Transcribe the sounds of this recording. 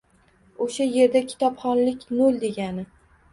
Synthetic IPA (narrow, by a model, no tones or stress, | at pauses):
oʃaje̞ɾd̪akʲʰɪ̥t̪ɒpχɒnlɪkʲnolˠd̪e̞ɡʲanɪ